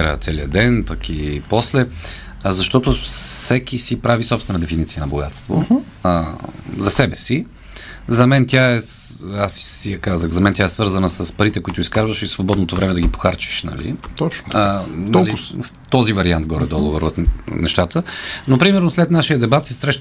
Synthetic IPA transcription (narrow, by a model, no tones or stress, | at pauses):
ɾə̰t̪sɛliəd̪ɛnpɐkipɔslɛ | zɐʃt̪ɔt̪ʊfsɛkisipɾavisɔpst̪vɛnəd̪ɛfinit̪sijənɐboɡa̰t̪st̪vo̰ | zɐsɛbɛsi | zɐmɛnt̪ʲjaɛasiɐkazəxzɐmɛnt̪jaɛsvɤɾzənəsəspɐɾit̪ɛkoit̪oʊiskaɾvəʃisvobɔd̪not̪ovɾɛmɛd̪ɐɡipo̥xaɾt͡ʃi̥ʃnɐ̰lḭt̪ɔt͡ʃnnɐlif | t̪ɔzivɐɾiant̪ɡɔɾɛd̪ɔɡovoɾvot̪nɛ̰ʃt̪at̪ənopɾimɛɾnoslɛt̪naʃijəd̪ɛbat̪sɛsɾɛʃt̪